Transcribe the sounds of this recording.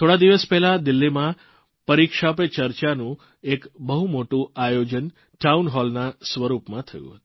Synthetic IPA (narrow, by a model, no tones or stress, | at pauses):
t̪ʰoɽad̪iʋəspɛɦlad̪ɪlːimã | pəɾikʂapet͡ʃəɾt͡ʃanũ | ekbəɦumoʈũajod͡ʒən | ʈaunɦɔlnasʋəɾupmãt̪ʰə̰jṵ̃ɦət̪u̥